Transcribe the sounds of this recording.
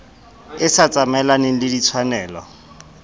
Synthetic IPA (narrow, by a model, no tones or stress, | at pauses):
ɪsat͡sʼamɛlanɪlɪdit͡sʰwanɛːlɔ̰